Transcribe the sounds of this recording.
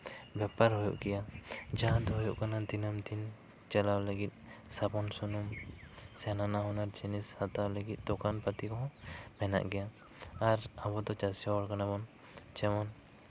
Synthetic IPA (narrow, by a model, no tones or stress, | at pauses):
bjapaɾɦɔjṵʔɡɛjad͡ʒaɦãd̪ɔɦɔjuʔkanad̪inamt̪in | t͡ʃalawləɡit̪̚ˀsapɔnsunumsɛnanaɦɔnaɾt͡ʃinishat̪awləɡit̪̚d̪ɔkanpat̪ikɔɦɔ̃mɛna̰ʔɡɛjaː | ɾabɔd̪ɔt͡ʃasijaɔɽkanabɔn | t͡ʃɛmɔn